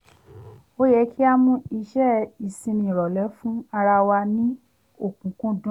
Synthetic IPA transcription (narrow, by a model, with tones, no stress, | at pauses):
o˦jɛ˧˦kʰi˦a˧mũ˧i˧ʃɛ˦i˨sĩ˧nĩ˧˨ɾɔ˨lɛ˨˦fũ˦a˧ɾa˧wa˧nĩ˦ | o˨kũ˨˦kũ˦dũ˦